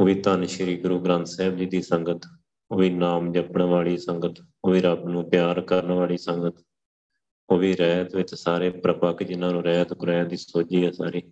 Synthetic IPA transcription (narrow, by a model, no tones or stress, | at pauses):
oːʋiːt̪aːnʃɪɾiːɡɾuːɡɾãːnt̪sɛːbliːd̪iːsəŋɡət̪ | oːʋiːnaːmd͡ʒəpnʋaːɭiːsəŋɡət̪ | oːʋiːɾəbnũːpjaːɾkəɾnʋaːɭiːsəŋɡət̪ | oːʋiːɾɛːt̪ʋɪt͡ʃsaːɾeːpɾəpəkd͡ʒɪnãːnũːɾɛːt̪kʊɾɛːd̪iːsoːd͡ʒiːɛːsaːɾiː